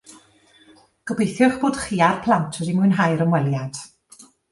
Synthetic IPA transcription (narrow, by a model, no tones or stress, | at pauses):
ɡ̥əbejθjʊχb̥oːd̥χiːarpʰlˠantʰədimuɨnɦajɾəmwɛlˠjad̥